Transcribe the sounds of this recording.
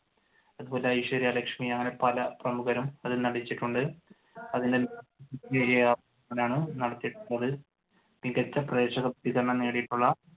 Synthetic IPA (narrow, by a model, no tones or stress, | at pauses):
ɐðubo̞ːle̞ɐjʂɐɾijɐlɐkʂmiɐŋːɐne̞pɐlɐprɐmuɣɐɾumɐðɨnɐɽit͡ɕːiʈːuɳɖɨ | ɐðinde̞niɐɐieɾeaːʋɐ | ɐŋːɐlaːɳɨnɐɽɐt̪ːijiʈːuɭːɐðɨ | niɣɐt͡ɕːɐprɐðe̞ːɕɐɣɐbɐd̪iɣɐrɐɳɐmneːɽijiʈːuɭːɐ